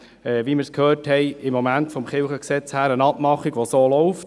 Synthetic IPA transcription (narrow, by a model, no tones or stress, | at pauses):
ɛʋimɪɾskʰhøːrthɛɪɪmːɔmæntfɔmχɪlχəksɛt͡shæːɾənɑpmɑχiɡʋosoːlɔʊft